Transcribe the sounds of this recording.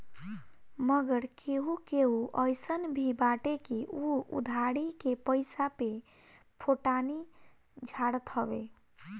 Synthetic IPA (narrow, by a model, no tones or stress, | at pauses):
məɡəɽkeɦukeɦuʔəjsənbʱibaʈekiʔuṵd̪ʱaɽikepəɪsape | pʰoʈani | d͡ʒʱaɽət̪ɦəbe